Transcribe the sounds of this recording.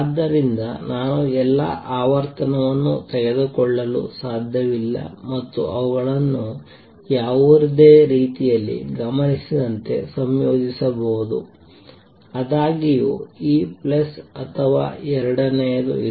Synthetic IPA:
d̪ːɐɾind̪ɐ̰naːnuɛlːɐ̰ʔaːʋɐɾt̪ɐnɐʋɐnːṵt̪ɛɡed̪ukɔɭːɐlṵsaːd̪ʱjɐʋilːɐ̰mɐt̪ːṵʔɐʋuɡɐɭɐnːu | jaːʋuɾid̪eːɾiːt̪ijɐlːḭɡɐmɐnisid̪ɐnt̪e̞̰sɐmjoːd͡ʒisɐbɐɦud̪ṵ | ɐd̪aːɡijuiːplɐsɐt̪ʰɐʋa̰ːɛɾɐɽɐnɛjɐd̪ṵ

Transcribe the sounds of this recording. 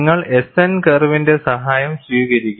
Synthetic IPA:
ŋːɐɭesɐnkɐrʋinde̞sɐɦaːjɐmɕʋiːɣɐɾikʲːu

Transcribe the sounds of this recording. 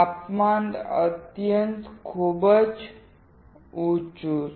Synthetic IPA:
apmand̪ə̰t̪jənt̪kʰubət͡s | ut͡ʃu

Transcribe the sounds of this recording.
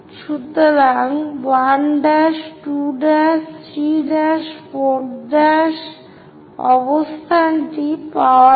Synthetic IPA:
ʃut̪ːoɾaŋbaɳɖaʃʈuɖaʃɾiɖaʃpoɖaʃ | ɔbost̪ʰanʈipaa

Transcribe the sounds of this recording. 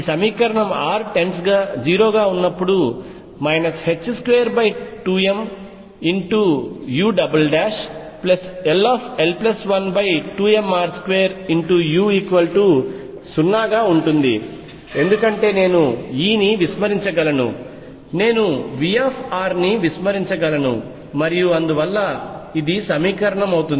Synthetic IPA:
isɐmiːkɐɾɐɳɐmaːɾʈe̞nsɡaːd͡ʒiːɾo̞ːɡaːunːɐpːuɽu | mɐjnɐshe̞t͡ʃːskʋeːɐɾbɐjʈuːe̞m | iɳʈujuːɖɐbɐlɖaːʂ | plɐselaːpʰe̞lplɐsʋɐnbɐjʈuːe̞maːɾskʋeːɐɾiɳʈujuːiːkuʋɐlʈu | sunːaːɡaːuɳʈund̪ḭ | e̞nd̪ukɐɳʈe̞ːne̞ːnuiːniʋismɐɾiɲt͡ʃɐɡɐlɐnṵ | ne̞ːnuʋiaːpʰaːɾniʋismɐɾiɲt͡ʃɐɡɐlɐnṵ | mɐɾijuɐnd̪uʋɐlːɐid̪isɐmiːkɐɾɐɳɐmɐwt̪un

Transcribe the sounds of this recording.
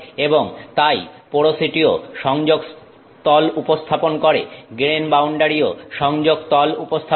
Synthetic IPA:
eboŋt̪ajpoɽosiʈioʃɔŋd͡ʑoɡ | t̪ɔlupost̪ʰaponkoɾḛɡɾenbawɳɖaɾioʃɔŋd͡ʑoɡt̪ɔlupost̪ʰa

